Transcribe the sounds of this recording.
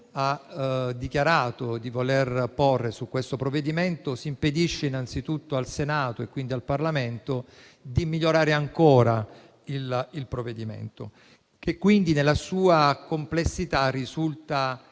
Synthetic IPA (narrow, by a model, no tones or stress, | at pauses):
ad̪ːikjaɾaːt̪od̪ivolerporːesukːwest̪opɾoved̪iment̪osiːmped̪iʃːeinant̪sit̪ut̪ːoalsenaːt̪oekːwind̪ialparlament̪o | d̪imiʎːoɾaːɾeaŋkoːɾa | ililpɾoved̪imḛnt̪o̰ | k̟ekːwind̪inelːasuːakomplesːit̪arːizult̪a